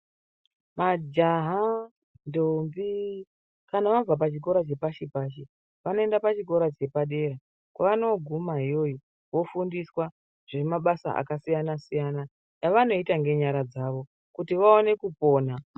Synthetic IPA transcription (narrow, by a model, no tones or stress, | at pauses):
mad͡ʒaɦa | ndombi | kanaʋavapat͡ʃik̬o̞ɾat͡ʃe̞paʃipaːʃe | ʋano̞e̞ndapat͡ʃik̬o̞ɾat͡ʃe̞paɗe̞ɾa | kwaʋano̞ɡʱumaɦijo̞ji | wo̞fundiswa | ʐ̥emaɓasa̰ʔa̰kasijanasijana | jaʋano̞itaŋɡe̞ɲaɾad͡zaʋo̞ | kutiʋaone̞kupo̞ːna